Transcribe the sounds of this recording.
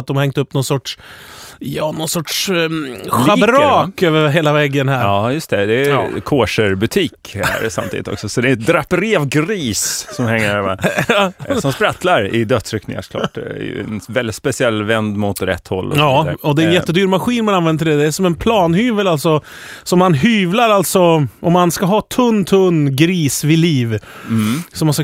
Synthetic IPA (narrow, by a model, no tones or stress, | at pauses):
t̪̚d̪ɔmhɛŋt̪əɵpːnɔnsɔʈʂ | jɑːnɔnsɔʈʂ | ɧaɾɑːkøːvəɾɦeːlavɛɡːənɦæɾɑːjɵst̪ɛd̪ɛːkʰoːʂəɾbɵt̪ʰiːkhæ̰ɾsa̰mt̪iːd̪ɪt̪ɔ̰ksɔsɔd̪ɛɛt̪̚d̪ɾapːɾeːvɡɾiːssɔmhɛŋːəɾa | sɔmspɾat̪laɾɪ̰d̪œt̪sɾʏknɪ̰ŋa̰sɔ̥klɑ̰ːʈɛ̰j̰ɛ̰nvɛld̪ɪt̪spɛsɪɛlːvɛnd̪mʊt̪ɾɛ̰t̪ʰːhɔ̰lːɑːɔd̪ɛɾɛnnjɛt̪ːəd̪yːɾmaɧiːnmananvɛnd̪əɖɛd̪ɛæʂɔmɛnpʰlɑːnhyːvəlalt̪sɔsɔmːanɦyːvlaɾalt̪sɔʔɔmːanskaɦɑːt̪ʰɵnːt̪ʰɵnːɡɾiːsvɪliːv | sɔmːanska